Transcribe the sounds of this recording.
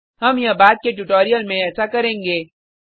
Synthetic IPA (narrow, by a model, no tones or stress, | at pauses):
ɦɐmjɐbaːt̪̚keʈuʈoːɾijəlmẽɛːsakɐɾẽːŋɡeː